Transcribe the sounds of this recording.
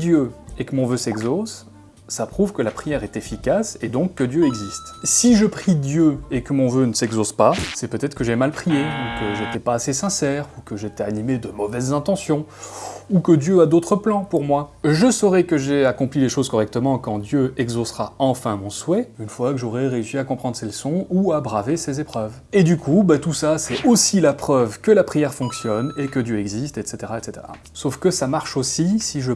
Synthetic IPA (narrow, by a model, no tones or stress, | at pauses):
d̪jøekəmɔ̃vøsɛɡzosː | apχuvkəlapχijɛʁɛt̪efikased̪ɔ̃kːəd̪jøɛɡzist̪siʒəpχid̪jøekəmɔ̃vønəsɛɡzospasɛpøt̪ɛt̪χə̥kəʒɛmalpχijeɔ̃kəʒet̪ɛpaːsesɛ̃sɛʁukəʒet̪ɛanimed̪əmɔvɛzːɛ̃t̪ɑ̃sjɔ̃ | ukəd̪jøad̪ot̪χəplɑ̃puʁmwaʒəsɔʁɛkəʒeakɔ̃plileʃozkɔʁɛk̚t̪əmɑ̃kɑ̃d̪jøɛɡzosʁaɑ̃fɛ̃mɔ̃swɛynfwakəʒɔʁɛʁeysiakɔ̃pχɑ̃d̪ʁseləsɔ̃uabʁavesezepχœv | ed̪ykʰubat̪usasɛosilapχœvkəlapχijɛʁfɔ̃ksjɔnekəd̪jøɛɡzist̪ɛt̪set̪eʁaɛt̪set̪ḛʁa̰ | sofkəsamaʁʃosisiʒə